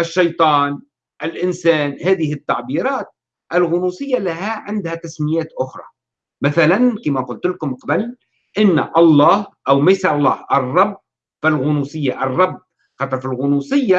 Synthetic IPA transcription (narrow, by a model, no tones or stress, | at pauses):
ʔaʃːɑjt̪ˤɑːn | ʔɪlʔɪnsaːnhaːðɪhɪt̪ːaʕbiːɾˤɑːt̪̚ | ʔɪlɣʊnuːsɪjːalaɦaʕɪnd̪hat̪asmɪjaːt̪ʔʊxɾˤɑ̰ | maθalankemakʊnt̪lkʊmqɑbal | ʔɪnːaʔɑlˤːɑːhʔawmajsaʔlˤːɑːhʔɑrˤːɑbː | falɣʊnuːsɪjːaʔɑrˤːɑbː | xɑt̪ˤɾˤfɪlɣʊnuːsɪjːa